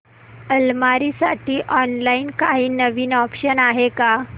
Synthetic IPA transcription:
əlmaɾiːsaʈiːʔɔnlainkaɦiːnəʋiːnɔpɕənaɦeka

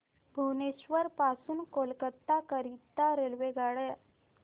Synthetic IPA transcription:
bʱuʋneɕʋəɾpasuːnkolkət̪ːakəɾit̪ːaɾelʋeɡaɽə

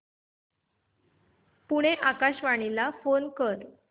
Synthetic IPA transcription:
puɽ̃eʔakaɕʋaɽ̃ilafonkəɾ

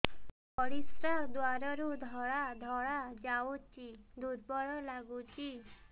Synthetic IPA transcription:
pɔɽisɾad̪waɾɔɾud̪ʱɔɭad̪ʱɔɽad͡ʒaut͡ʃid̪usbɔɽɔlaɡut͡ʃi

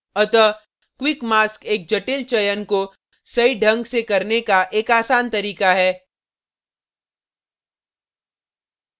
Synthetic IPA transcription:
ɐt̪ə | kwɪkmaːskeːk̚d͡ʒɐʈɪlt͡ʃɐjənko | sɐiɖʱɐ̃ŋɡsekɐɾnekaʔeːkaːsaːnt̪ɐɾiːkaɦɛː

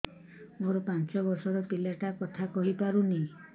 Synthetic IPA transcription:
moɾɔpant͡ʃɔbɔsɔɾɔpilaʈakɔt̪ʰakɔɦipaɾuni

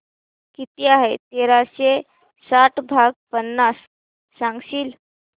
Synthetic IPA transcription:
kit̪iaɦet̪eɾaɕe | saʈʰbʱaɡ̚pənːasː | ãŋɡɕiːl

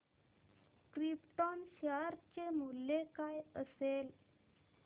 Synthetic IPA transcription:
kɾipt̪ɔnɕəɾt͡ɕemulːekajəsel

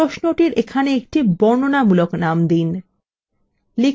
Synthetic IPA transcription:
oʃnoʈiɾekʰaneek̚ʈibɔɾnonamuloknamd̪in | li

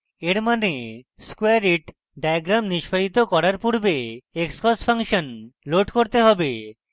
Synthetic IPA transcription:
eɾmaneskwaɾiʈ | ɖajɡɾamniʃpʰaɾit̪okɔɾaɾpuɾbeekskɔspʰaŋʃonloʈkoɾt̪eɦɔbe

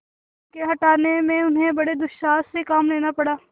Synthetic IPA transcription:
keɦɐʈaːnemẽʊnɦẽbɐɽed̪ʊʃaːssekaːmleːnapɐɽaː

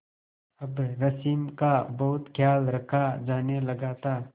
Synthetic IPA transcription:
ɐbɾɐsiːmkabɐɦʊt̪kʰjaːlɾɐkʰad͡ʒaːnelɐɡaːt̪aː

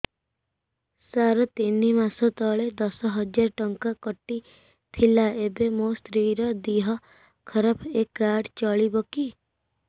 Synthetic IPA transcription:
saɾɔt̪inimasɔt̪ɔɭed̪ɔsɔɦɔd͡ʒaɾɔʈɔŋkakɔʈːi | t̪ʰilaebemost̪ɾiɾɔd̪iɦɔ | kʰɔɾapʰekːaɖt͡ʃɔɭibɔki

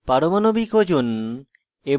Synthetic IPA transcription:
paɾomanobikod͡ʑun | e

